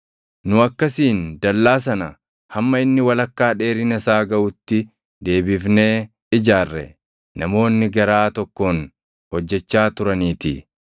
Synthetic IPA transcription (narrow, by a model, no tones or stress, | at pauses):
nʊɐkːɐsiːnd̪ɐlːaːs̬ɐnɐ | hɐmːɐɪnːɪwɐlɐkːaːᶑe̞ːɾɪnɐsaːɡɐʔʊt̪ːɪ | d̪e̞ːbɪfne̞ː | ɪd͡ʒaːrːɛ̰ | nɐmo̞ːnːɪɡɐɾaːt̪ɔkːoːn | hɔd͡ʒːɛt͡ʃːaːt̪ʊɾɐniːt̪ɪ